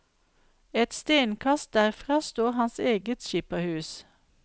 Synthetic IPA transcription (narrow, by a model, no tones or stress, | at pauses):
ɛt̪st̪eːnkʰɑst̪̚d̪æʁfʁɑːst̪oːhɑnseːɡət̪ʃiːpɑhʉːs